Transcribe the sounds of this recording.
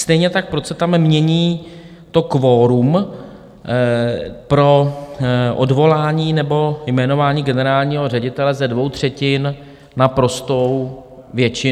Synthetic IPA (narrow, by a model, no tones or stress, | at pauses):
st̪ɛjɲɛt̪ak̚pɾosɛt̪amːɲɛɲiː | t̪o̞kvoːɾum | pɾo̞ | ʔo̞dvo̞laːɲiːnɛbo̞jmɛno̞vaːɲiːɡɛnɛɾaːlɲiːɦo̞rɛɟɪt̪ɛlɛzɛdvo̞wt̪r̝̥ɛcɪn | napɾo̞st̪o̞w | vjɛt͡ʃɪ